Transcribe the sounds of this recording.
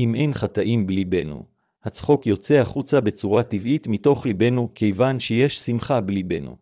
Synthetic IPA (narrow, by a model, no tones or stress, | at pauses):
ʔimʔe̞jnχataʔimblibe̞nṵ | hat͡sχo̞kjo̞t͡se̞aχut͡sabe̞t͡suʁativitmito̞χlibe̞nukʰe̞jvanʃejeʃsimχablibe̞nṵ